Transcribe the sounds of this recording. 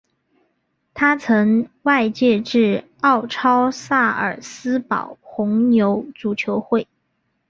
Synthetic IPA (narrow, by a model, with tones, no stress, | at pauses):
t̪ʰa˥t͡sʰɤ˧˥ŋwa˥˧ɪt͡ɕjɛ˥˧ʈ͡ʂɻ̩˥˩ | ɑ˥˩ʊʈ͡ʂʰɑ˥ʊsa˥˩ə̰˨˩sɹ̩˥pɑ̰˨˩ʊxʊ˧˥ŋnjo˧˥ʊʈ͡ʂu˨˩t͡ɕʰjo˧˥ʊxwe˥˩ɪ